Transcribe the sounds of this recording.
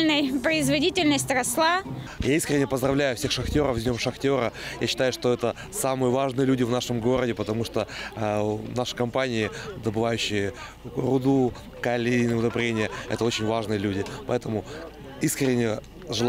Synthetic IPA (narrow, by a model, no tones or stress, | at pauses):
lʲnəjpɾəɪzvɐdʲitʲɪlʲnəsʲtʲɾɐslˠa | jaiskɾʲɪnʲɪjəpəzd̪rɐvlʲæjʊfsʲe̞xʂɐxtʲo̞ɾəfzʲnʲo̞mʂɐxtʲo̞ɾəjaɕːɪ̥t̪ajʊʂt̪o̞ɛt̪ə | samɨjəvaʐnɨjəlʲudʲɪvnaʂɨmɡo̞ɾədʲɪpət̪ɐmuʂt̪o | naʂɨ̥kɐmpanʲɪɪd̪əbɨvajʉɕːɪjə | rʊd̪u | kɐlʲinʲɪʊd̪ɐbɾʲenʲɪjəɛ̰t̪əot͡ɕɪnʲvaʐnɨjəlʲudʲɪpɐɛt̪əmʊ | iskɾʲɪnʲːɪjə | ʐɨlˠ